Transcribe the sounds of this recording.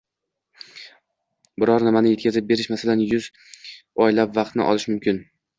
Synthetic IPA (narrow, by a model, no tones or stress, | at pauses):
bɪɾɒɾnɪmanɪje̞t̪̚ʲkʲazɪp̚be̞ɾɪʃmasalanjʊz | ɒjlapvɑqt̪nɪ̰ʔɒ̰lˠɪʃmʊmkʲʰɪn